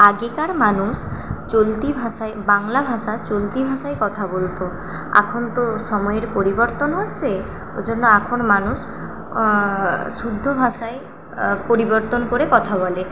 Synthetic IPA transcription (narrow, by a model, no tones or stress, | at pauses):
aɡekaɾmanust͡ɕolt̪ibʱasaebaŋlabʱaʃat͡ɕolt̪ibʱaʃaekɔt̪ʰabolt̪o | a̰kʰont̪osɔmɔjeɾpoɾibɔɾt̪onɦot̪ːt͡ɕʰe | o̰d͡ʑonːoakʰonɔmanus | sud̪ʱːobʱasae | poɾibɔɾt̪onkoɾekɔt̪ʰaβɔle